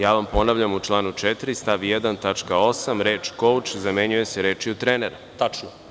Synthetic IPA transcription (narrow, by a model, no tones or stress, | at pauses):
jaːʋampo̞naʋʎamut͡ʃlˠaːnut͡ʂɛt̪ɾist̪aʋjɛd̪ant̪at͡ʂkao̞samɾeːt͡ʃkowt͡ʃzameɲuje̞seɾeːt͡ʃiut̪ɾeneɾa | t̪at͡ʃno